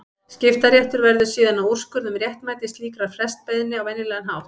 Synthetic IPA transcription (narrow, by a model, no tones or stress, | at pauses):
scɪft̪aɾjɛht̪ʏɾvɛɾðʏ̥siːðanaur̥skʏɾðʏmrjɛht̪maːjt̪ɪst̪liːkɾaɾ̥flɛst̪̚pajðɪnːɪawvɛnːɪlɛːɣanɦawht̪